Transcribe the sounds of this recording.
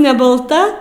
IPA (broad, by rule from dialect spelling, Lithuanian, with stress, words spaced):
nʲɛ bɐlˠˈtɐ